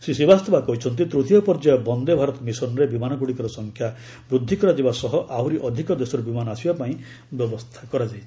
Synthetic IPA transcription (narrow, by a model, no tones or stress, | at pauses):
sesibast̪ʰɔbakɔɦit͡ʃʰɔnt̪̬it̪ɾut̪ʰijɔpɔɾd͡ʒajɔbɔnd̪ebʱaɾɔt̪ɔmisɔnɔɾebimanɔkuɽikɔɾɔsɔŋkʰja | bɾud̪ʱːikɔɾad͡ʒebasɔɦɔʔawɾiʔɔd̪ʱikɔd̪esɔɾebimanɔasibapaĩ | bjɔbɔst̪ʰakɔɾad͡ʒajʰ